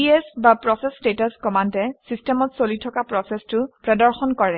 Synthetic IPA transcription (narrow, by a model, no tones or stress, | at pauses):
iesbapɹɔsɛstetaskɔmantɛsistɛmɔtsolitʰɔkapɹɔsɛstʊpɹɔdɔɹxɔnkɔɹɛ